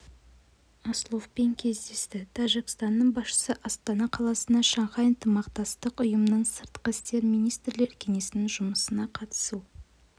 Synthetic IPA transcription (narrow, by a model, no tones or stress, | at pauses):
ɑslˠofpe̞ŋkʲʰe̞zd̪e̞st̪ɪt̪ʰɑʒikst̪ɑnːəɴbɑsʃə̥səʔɑst̪ɑnɑqʰɑlˠɑsənd̪ɑʃɑɴʁɑənt̪əmɑqt̪ɑst̪əqʊjəmənəɴsəɾt̪qəɪst̪e̞ɾmijnijst̪rle̞ɾkʲʰe̞ŋe̞sɪnɪŋʒʊməsənɑqʰɑt̪ə̥su